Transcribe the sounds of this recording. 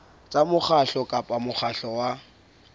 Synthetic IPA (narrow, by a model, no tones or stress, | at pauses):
t͡sʼamʊχʰaɬɔkʼapʼamʊχʰaɬɔwa